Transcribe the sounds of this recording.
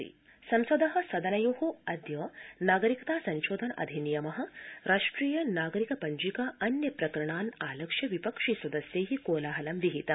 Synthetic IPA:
ḭ | sɐmsɐd̪ɐɦɐ̆sɐd̪ʱɐnɐjoːɦuɐd̪jɐːnaːɡɐɾikɐt̪aːsɐɲʃoːd̪ʱɐnʔɐ̰d̪ʱinijɐmɐɦɐ̆ɾʔaːʂʈɾiːjɐnaːɡɐɾikɐpɐɲd͡ʒikaɐnjɐpɾɐkɐɾɐɳaːnaːlɐkʂɐʋipɐkʂiːswɐd̪ɐsjɐːɦikoːlaːɦɐlɐmʋiɦit̪ɐm

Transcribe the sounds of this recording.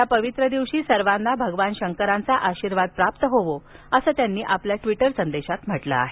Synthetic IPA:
japəʋit̪ɾəd̪iʋɕiːsəɾʋanːabʱəɡʋanɕəŋkəɾant͡saʔaɕiːɾʋad̪̚pɾap̚t̪əɦoʋoəsəːt̪janːiːʔapljaʈʋiʈəɾsənd̪eɕat̪m̤əʈlə̰a̰ɦe

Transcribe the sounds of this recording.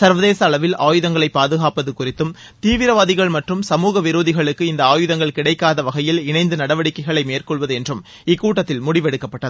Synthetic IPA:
sɐɾʋɐðeːsɐːɭɐʋɪlaːjɯðɐŋɡɐɭɐɪpːaːðɯɣaːpɐðɯkʊrɪt̪ːɯm | t̪iːʋɪɾɐʋaːðɪɣɐɭmɐʈrɯmsɐmuːɣɐʋɪɾoːðɪɣɐɭɯkːɯɪnd̪ɐaːjɯðɐŋɡɐɭkɪɽɐɪkːaːðɐʋɐɣɐjɪlɪnɐɪnd̪ɯnɐɽɐʋɐɽɪkːɐɪɣɐɭɐɪmeːrkɔɭʋɐðɯɛndrɯm | ɪkːuːʈːɐt̪ːɪlmʊɽɪʋɛɽɯkːɐpːɐʈːɐðɯ

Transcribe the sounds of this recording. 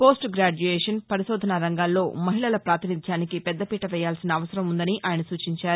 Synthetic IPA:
poːsʈɡɾaːd͡ʒuɛːʂɐnpɐɾiʃoːd̪ʱɐnɐɾɐŋɡaːlːo̞ːmɐɦiɭɐlɐpɾaːt̪inid̪ʱjaːnikipɛd̪ːɐpiːʈɐʋɛːjːaːlsinɐːʋɐsɐɾɐmund̪ɐniʔaːjɐnɐsuːt͡ʃiɲt͡ʃaːɾu

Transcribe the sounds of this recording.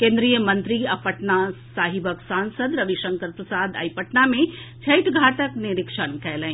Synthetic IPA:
kẽːnd̪ɾijəmɐ̃nt̪ɾiɐpəʈnasaːɦɪbəksãːnsəd̪ɾɐʋiʃə̃ŋkəɾpɾɐsaːd̪a̰ipəʈnamẽt͡ʃʰɐjʈʰɡʱaːʈəknɪɾɪkʃənkɛːlɛ̃

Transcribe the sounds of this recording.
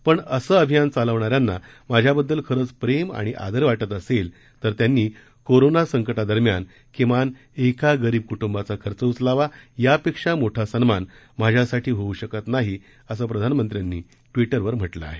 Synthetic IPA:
pəɳəsəːəbʱijant͡saləʋɳaɾjanːa | mad͡ʑʱjabəd̪ːəlkʰəɾəːt͡spɾema̰ɽ̃iʔa̰d̪əɾʋaʈət̪əsel | t̪əɾt̪janːiː | koɾonasəŋkəʈad̪əɾmjan | kimʋan | ekaɡəɾiːb̚kuʈumbat͡sakʰəɾt͡səut͡slaʋajapekʂamoʈʰasənman | mad͡ʑʱjasaʈʰiːɦouɕəkət̪naɦi | əs̬əːpɾəd̪ʱanmənt̪ɾjanːḭː | ʈʋiʈəɾʋəɾm̤əʈlə̰a̰ɦe

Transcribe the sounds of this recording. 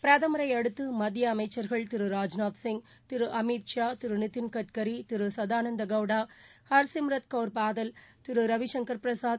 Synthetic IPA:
pɾɐðɐmɐɾɐɪɐɽɯt̪ːɯmɐd̪jɐːmɐɪt͡ʃːɐɾɣɐɭt̪ɪɾɯɾaːd͡ʒnaːt̪sɪŋɡ | t̪ɪɾɯʔɐmit̪ʂaːt̪ɪɾɯnɪt̪ːɪnkɐʈ̚kɐɾit̪ɪɾɯsɐðaːnɐnd̪ɐɡɐʋɽaːhɐɾsɪmɾɐt̪̚kɐʊɾpaːðɐlt̪ɪɾɯɾɐʋɪʂɐŋkɐɾpɾɐsaː

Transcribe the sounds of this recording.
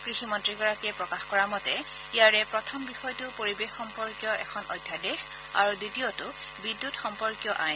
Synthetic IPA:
kɹiximɔntɹiɡɔɹakɛpɹɔkaxkɔɹamɔtɛ | ijaɹɛpɹɔtʰɔmbixɔjtʊpoɹibexːɔmpɔɹkjɔʔɛ̰kʰɔnʔɔjdʱjadex | a̰ɹuditiotʊ | bidːutxɔmpɔɹkjɔʔaj

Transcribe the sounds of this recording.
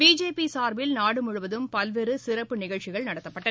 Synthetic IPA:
biːd͡ʒeːpːisaːɾʋɪlnaːɽɯmʊɻʊʋɐðɯmpɐlʋeːɾɯsɪɾɐpːɯnɪɣɐɭt͡ʃɪɣɐɭnɐɽɐt̪ːɐpːɐʈːɐ

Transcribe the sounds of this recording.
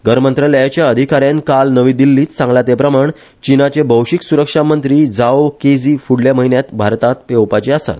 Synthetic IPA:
ɡəɾmənt̪ɾələjat͡ɕjaəd̪ʱikaɾjãnkalnəʋiːd̪ilːiːt̪sãŋɡlat̪epɾəmaɳ | t͡ɕinat͡ɕebʱəwɕiksuɾəkʂamənt̪ɾiːd͡zaoked͡ziːfuɽljaməɦinjat̪bʱaɾt̪at̪pewpat͡ɕiasa̰t̪

